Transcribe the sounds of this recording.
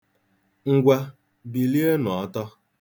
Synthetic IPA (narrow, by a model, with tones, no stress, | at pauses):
ŋ̩˨ɡʷa˦ | bi˨li˦e˦nʊ˨ɔ˦tɔ˦